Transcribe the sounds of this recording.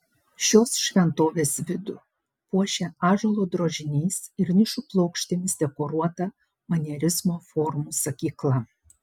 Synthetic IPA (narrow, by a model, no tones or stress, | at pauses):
ʃʲoːsʃʲʋʲɛnt̪oːʋʲeːsʋʲɪd̪ʊ̰ | puɔʃʲɛɑːʒolˠoːd̪ɾoːʒʲɪnʲiːsɪɾnʲɪʃʊplˠɐʊkʃʲt̪ʲemʲɪsd̪ʲɛkoːɾuɔt̪ɐ | mɐnʲɛɾʲɪzmoːfɔɾmuːsɐkʲiːklˠɐ